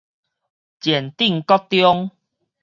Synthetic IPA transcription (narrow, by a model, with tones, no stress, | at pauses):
t͡ɕjɛ˨˩nt̪i˥˨ŋkɔ˦k̚t̪jɔ˦ŋ